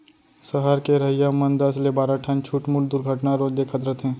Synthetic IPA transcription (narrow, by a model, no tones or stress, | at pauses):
səɦəɾkeɾɐɦɪjamɐnd̪əslebaːɾaʈʰənt͡ʃʰuːʈmʊld̪ʊɾɡʱəʈnaɾoːd͡ʒd̪ekʰət̪ɾət̪ɦɛ̃ː